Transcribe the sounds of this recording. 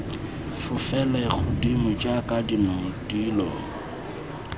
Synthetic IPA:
fʊfɛlaik͡xʰʊdimʊt͡ʃʼakʼadinɔŋ̩dʼilɔːŋ̩

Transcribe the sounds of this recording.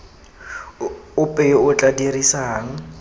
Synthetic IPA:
ʊpʼɛjɪʊt͡ɬʼadirisaɦaŋ̩

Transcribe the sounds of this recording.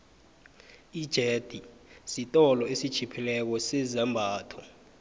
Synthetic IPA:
id̥ʒ̥ʱed̥ʱisitʼɔlɔesid̥ʒ̥ʰʱipʰilɛk̬ɔsɛzɛmbʱaːtʰɔ

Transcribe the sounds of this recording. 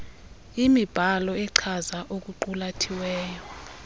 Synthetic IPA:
imib̥ʱalɔɛǀʰazaʔok̬ʼuǃulatʰiwɛːjɔ

